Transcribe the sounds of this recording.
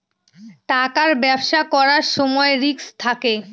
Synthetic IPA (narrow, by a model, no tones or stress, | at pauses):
ʈakaɾbɛbʃakɔɾaɾʃɔmɔeɾikst̪ʰake